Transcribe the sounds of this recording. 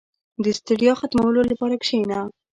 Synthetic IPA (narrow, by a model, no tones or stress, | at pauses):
d̪əst̪uɖijoxat̪mawəlolapɑɾakʃejna